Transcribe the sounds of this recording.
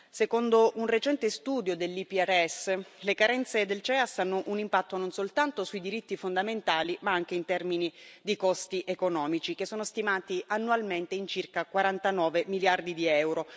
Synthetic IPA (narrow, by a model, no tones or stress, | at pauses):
sekond̪ounret͡ʃɛnt̪est̪uːd̪jod̪elːipiɛrɛsːlekaɾɛnt̪sed̪elt͡ʃɛasːanːoʔunimpat̪ːononsolt̪ant̪osuid̪iɾit̪ːifond̪ament̪aːlimaaŋk̟eint̪ɛrminid̪ikɔst̪iʔekonɔːmit͡ʃikesːoːnost̪imaːt̪iʔanːualment̪eint͡ʃirkakwaɾant̪anɔːvemiljard̪id̪iɛwɾo